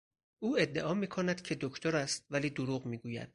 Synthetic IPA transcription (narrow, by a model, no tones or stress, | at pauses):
ʔuːe̞d̪ːe̞ʔɒːmiːkʰonæd̪̥cʰe̞d̪okʰt̪ʰoɾæst̪̚væliːd̪oɾuːɣmiːɡuːjæ̰d̪̥̚